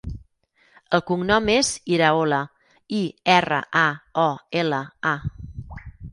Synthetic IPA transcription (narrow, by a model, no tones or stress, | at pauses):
əlˠkuŋnɔmeziɾaolə | iɛrə̰ʔaɔeləa